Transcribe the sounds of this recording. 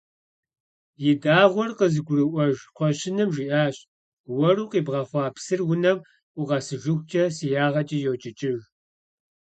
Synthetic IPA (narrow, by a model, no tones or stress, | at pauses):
jɪdaːʁʷɔrqəzɨɡʷʊrɨʔʷɔʒqʷɔɕɪnɨmʒiːʔaːɕ | wɐruːqiːbʁɐχʷɑːpsɨrwʊnɐm | ʔʷʊʁɐsɨʒʊxʷt͡ʃʼɐsijaːʁɐt͡ʃʼijoːt͡ʃʼɪt͡ʃʼɪʒ